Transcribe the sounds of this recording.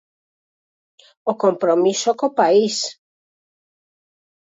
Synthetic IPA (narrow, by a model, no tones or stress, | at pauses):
okompɾomisokopais